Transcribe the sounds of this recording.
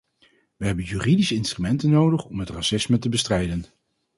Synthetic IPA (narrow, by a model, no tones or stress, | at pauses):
ʋəɦɛbənjyːridisəɪnstrymɛntənːowdəχɔmɦətrasɪsmətəbəstrɛjdən